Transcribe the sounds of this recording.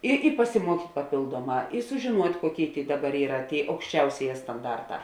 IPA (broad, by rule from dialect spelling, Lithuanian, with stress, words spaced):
ˈɪ ɪ pɐsʲɪˈmuɔkʲiːtʲ pɐˈpʲeːlˠduɔˌmɑː ɪ sʊʒʲeːˈnuɔtʲ ˈkuɔˌkʲeːɪ ˈdɑːˌbɐr ˈiːrɐ ˈtʲeːɪ ɐʊkʃʲˈt͡ʃʲɛʊsʲeːˌjɛː stɐnˈdɐrˌtɑː